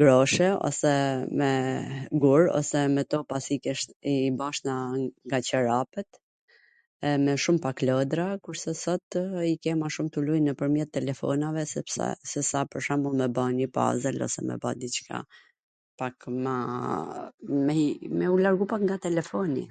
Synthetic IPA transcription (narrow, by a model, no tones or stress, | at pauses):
ɡɾɔʃɛɔ̰sɛmɛɡuɾɔ̰sɛmɛt̪ɔpasikɛʃibaʃnaŋɡat͡ɕəɾapɛt̪ | ɛmɛʃumpaklɔd̪ɾakuɾsɛsɔt̪ikɛmaʃumt̪ulujnəpəɾmjɛt̪ːɛlɛfɔ̰navɛsɛsɛ̰sɛsapəɾʃamumɛbanipa̰zɛlɔ̰sɛ̰mɛ̰ba̰d̪it͡ʃkʰa̰ | pakma | mɛmɛulaɾɡupakŋɡat̪ɛlɛfɔnḭ